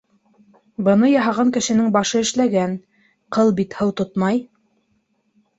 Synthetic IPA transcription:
bɤ̆nɤjɑɦɑʁɑŋkɘ̆ʃɘ̆nɘŋbɑʃɤɘ̆ʃlæɡæn | qɤlˠbit̪hɤwt̪ot̪mɑj

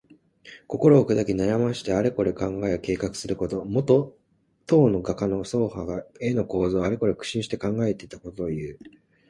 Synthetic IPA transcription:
ko̞ko̞ɾo̞ːked̪akʲinajamaɕi̥t̪eaɾe̞ko̞ɾe̞kãŋɡaeke̞ːkakɯ̥sɨɾɯ̟ko̞t̪o̞mo̞t̪o̞ | t̪o̞ːno̞ɡakano̞so̞ːhaɡae̞no̞ko̞ːzo̞ːaɾeko̞ɾe̞kɯ̟̥ɕĩɰ̃ɕi̥t̪e̞kãŋɡae̞t̪e̞it̪ḁko̞t̪oojɯ̟ː

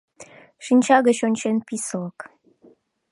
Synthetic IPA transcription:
ʃinʲt͡ɕɑɣəɕonʲt͡ɕenpislək

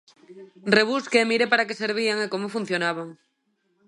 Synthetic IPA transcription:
reβ̞uskeemiɾepaɾakeseɾβ̞iaŋekomofun̟θjonaβ̞aŋ

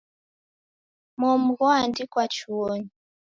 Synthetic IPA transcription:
mɔmuɣɔandikwat͡ʃuwɔɲi

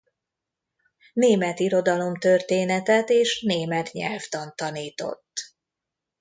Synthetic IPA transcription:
neːmɛt̪iɾo̞d̪ɒlo̞mt̪ø̞rt̪eːnɛt̪ɛt̪eːʃneːmɛt̪ɲɛ̰lft̪ɒnt̪ɒniːt̪o̞̰t̪ː

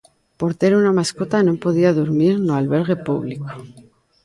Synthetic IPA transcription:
po̞ɾt̪e̞ɾunamasko̞t̪ano̞mpo̞ðiaðuɾmiɾnoalβe̞ɾɣe̞puβliko̥

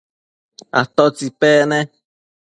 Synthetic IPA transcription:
a̰t̪ot͡sipene

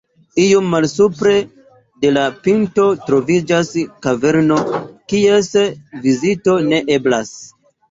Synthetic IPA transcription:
ijomːalsupɾe̞ | de̞lapinto̞tɾo̞vid͡ʒaskave̞ɾno̞kie̞svizito̞ne̞ʔe̞blas

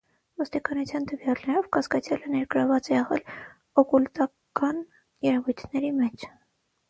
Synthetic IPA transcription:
vɔst̪ikɑnut͡sʰjɑnt̪əvjɑlnɛɾɔvkɑskɑt͡sʰjɑlənɛɾɡəɾɑvɑt͡sɛɛʁɛ̰l | ɔkult̪ɑ | kɑn | jɛɾɛvujt̪ʰnɛɾimɛt͡ʃʰ

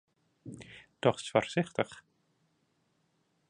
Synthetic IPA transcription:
d̥ɔχfɔrsɪχt̪əχ

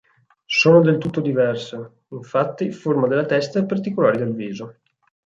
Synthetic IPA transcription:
soːnod̪elt̪ut̪ːod̪ivɛrsa | iɱfat̪ːiformad̪elːat̪ɛst̪aepːart̪ikolaːɾid̪elviːzo

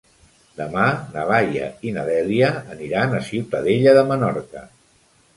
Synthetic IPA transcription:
d̪əmanəβajə̰inəðɛliəːniɾanəsiwt̪əðeʎəðəmənɔɾkə̰

